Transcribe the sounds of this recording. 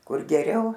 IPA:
ˈkʊr ɡʲɛˈrʲɛʊ

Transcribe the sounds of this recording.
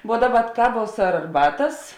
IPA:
ʋuɔ ˈdɑːˌbɐ ˈkɑːˌʋuɔs ɐr ɐrˈbɑːtɐs

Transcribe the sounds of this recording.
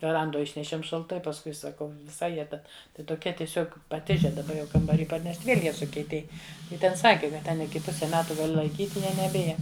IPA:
ʋʲɛˈrɐndoːj ˈɪʃʲnʲɛʃʲiɛm ʃɐlˠˈtɐɪ pɐsˈkʊɪ sɐˈkɐʊ ʋʲɪˈsɐɪ ˈjiɛ ˈtʲɛn ˈtɐɪ toːˈkʲiɛ tʲiɛˈsʲoːk pɐˈtʲɪʒʲɛ dɐˈbɐ jɛʊ kɐmbɐrʲiː pɐrʲˈnʲɛʃʲtʲ ˈʋʲiɛlʲ ˈjiɛ sʊkʲiɛˈtʲeːj ˈjɪ ˈtʲɛn ˈsɑːkʲɪ kɐt ˈtʲɛn ɪˈkʲɪ ˈpʊsʲɛ ˈmʲæːtʊ ɡɐˈlʲɪ lˠɐɪˈkʲiːtʲ ˈjiɛ nʲɛˈbʲɪjɛ

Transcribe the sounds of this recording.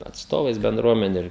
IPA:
ɐtsˈtoːʋɐɪs bʲɛnˈdruɔmʲɛnʲʊ ɪr

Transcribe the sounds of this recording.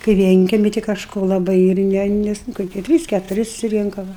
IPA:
kɐɪ ˈʋʲiɛŋʲkʲɛmʲɪ tʲɪ kɐʃˈkoː lˠɐˈbɐɪ ɪr ˈnʲɛ ˈnʲɛs nʊ koːˈkʲiɛ ˈtʲrʲiːs kʲɛtʊˈrʲɪ sʊsʲɪˈrʲɪŋkɐ ˈʋɐ

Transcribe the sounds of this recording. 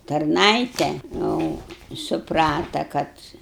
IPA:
tɐrˈnɐɪtʲɛ jɛʊ sʊˈprɑːtɐ ˈkɐt

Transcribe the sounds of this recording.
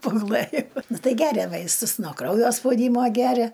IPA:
pɐɡʊˈlˠɘjoː ˈtɐɪ ˈɡʲæːrʲɛ ˈʋɐɪstʊs noː ˈkrɐʊjoː spɐʊˈdʲiːmoː ˈɡʲæːrʲɛ

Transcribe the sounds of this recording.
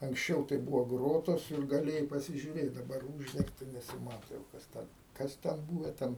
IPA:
ɐŋksʲˈt͡ʃʲɛʊ tɐɪ ˈbuːʋoː ˈɡroːtoːs ɪr ɡɐˈlʲeːjɛɪ pɐsʲɪʒʲʊˈrʲeːt dɐˈbɐr ˈuːʒʲdʲɛŋktɐ nʲɛsʲɪˈmɑːtoː jɛʊ kɐs ˈtʲɛn ˈkɐs tʲɛn ˈbuːʋʲɛ ˈtʲɛn

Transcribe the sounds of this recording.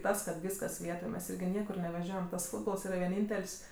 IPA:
ˈtɐs kɐt ˈʋʲiːskɐs ˈʋʲiɛtoːj mʲɛs ˈɪrʲɡʲɪ ˈnʲiɛkʊr nʲɛʋʲɛˈʒʲoːjɛm tɐs ˈfuːdboːlˠs ˈiːrɐ ʋʲɛˈnʲiːnʲtʲɛlʲsʲ

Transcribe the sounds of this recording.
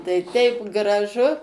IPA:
tɐɪ ˈtʲɛɪp ɡrɐˈʒʊ

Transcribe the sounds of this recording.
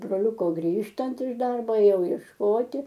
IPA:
broːˈlʲʊkoː ˈɡrʲiːʃtɐnt ɪʃ ˈdɐrboː eːˈjɛʊ iɛʃˈkoːtʲɪ

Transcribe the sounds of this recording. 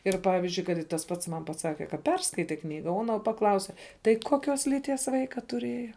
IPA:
ˈɪr ˈpɑːʋʲɪzʲd͡ʒʲʊɪ ˈkɐt ɪ tɐs ˈpɐts ˈmɐn pɐˈsɑːkʲɛ kɐ ˈpʲɛrskɐɪtʲɛ ˈknʲiːɡɐ oː ˈɑːnoː pɐˈklˠɐʊsʲɛ tɐɪ ˈkoːˌkʲoːs lʲiːˈtʲiɛs ˈʋɐɪkɐ tʊˈrʲiɛjɛ

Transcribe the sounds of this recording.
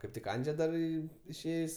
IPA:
kɐɪp ˈtʲɪk ˈɐnʲd͡ʒʲɛ dɐr ˈiː ɪʃʲˈeːjsʲ

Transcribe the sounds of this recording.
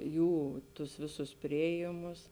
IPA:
ˈjuː tʊs ˈʋʲeːˌsʊs ˈpʲrʲɪeːjeːmʊs

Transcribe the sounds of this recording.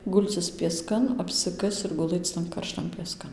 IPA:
ˈɡʊlʲt͡sʲɪs pʲiɛˈskɐn ɐpʲsʲɪˈkɐst͡s ɪr ɡʊˈlˠɘt͡s tɐn kɐrˈʃtɐn pʲiɛˈskɐn

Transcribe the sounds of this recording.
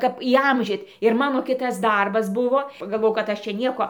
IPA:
ˈkɐp iːˈɐmʲʒʲiːt ɪr ˈmɑːnoː ˈkʲɪtɐs ˈdɐrbɐs ˈbʊʋoː pɐɡɐlˠˈʋoːjɛʊ kɐt ˈɐʃ t͡ʃʲɛ ˈnʲiɛkoː

